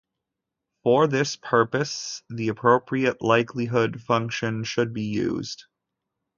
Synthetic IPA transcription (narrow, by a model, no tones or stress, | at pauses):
fə˞ðɪspʰɜ˞pɨsðiɨpʰɹ̥oʊpʰɹiɨʔlaɪkʰliɦʊd̥fʌ̃ŋkʃɨ̃nʃɨd̚bijʉ̰z̥d̥